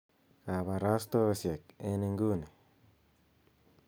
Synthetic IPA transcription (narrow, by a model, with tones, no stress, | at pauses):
ka˨βa˨ɾa˦st̪o˦sje˨k̚e˦ne˧ŋɡu˦ne˨